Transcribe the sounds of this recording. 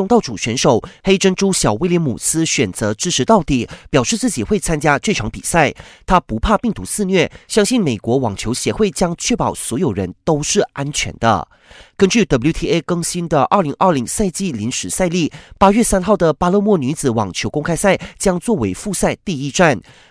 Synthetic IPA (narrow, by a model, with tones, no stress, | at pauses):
ʊ˥ŋt̪ɑ˥˩ʊʈ͡ʂu˨˩ɕɥɛ˧˥nʂo˨˩ʊxe˥ɪʈ͡ʂə˥nʈ͡ʂu˥ɕjɑ˨˩ʊwe˥ɪljɛ˧˥nmu˨˩sɹ̩˥ɕɥɛ˨˩nt͡sɤ˧˥ʈ͡ʂɻ̩˥ʈ͡ʂʰɻ̩˧˥t̪ɑ˥˩ʊt̪i˨˩pjɑ˨˩ʊʂɻ̩˥˧t͡sɹ̩˥˩t͡ɕi˨˩xwe˥˩ɪt͡sʰa˥nt͡ɕja˥ʈ͡ʂwe˥˩ʈ͡ʂʰɑ˧˥ŋpḭ˨˩sa˥˩ɪt̪ʰa˥pu˧˥pʰa˥˧pi˥˩ŋt̪u˧˥sɹ̩˥˧nɥɛ˥˩ɕjɑ˥ŋɕi˥˩nme˨˩ɪkwɔ˧˥wɑ˨˩ŋt͡ɕʰjo˧˥ʊɕjɛ˧˥xwe˥˩ɪt͡ɕjɑ˥ŋt͡ɕʰɥɛ˥˩pɑ˨˩ʊswɔ˧˥jo˨˩ʊɻə˧˦nt̪o˥ʊʂɻ̩˥˩a˥nt͡ɕʰɥɛ̰˧˥nd̪ə̰˧ | kə˥nt͡ɕy˥˩t̪bu˥t̪ʰi˥e˥kɤ˥ŋɕi˥nd̪ə˨ʔə˞˥˩li˧˥ŋʔə˞˥˩li˧˥ŋsa˥˧ɪt͡ɕi˥˩li˧˥nʂɻ̩˨˧˩sa˥˧ɪli˥˩pa˥ɥɛ˥˩sa˥nxɑ˥˩ʊd̪ə˩pa˥lɤ˥˧mwɔ˥˩ny˧˥t͡sɹ̩˨˩wɑ˨˩ŋt͡ɕʰjo˧˥ʊkʊ˥ŋkʰa˥ɪsa˥˩ɪt͡ɕjɑ˥ŋt͡swɔ˥˩we˧˥ɪfu˥˧sa˥˧ɪt̪i˥˧i˥˧ʈ͡ʂa˥˩n